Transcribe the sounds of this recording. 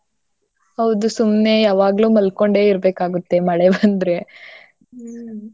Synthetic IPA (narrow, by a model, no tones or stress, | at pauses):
hɐʋd̪usumne̞jaːʋaːɡluːmɐlko̞ɳɖe̞ːiɾbe̞ːkaːɡut̪ːe̞mɐɭebɐnd̪ɾe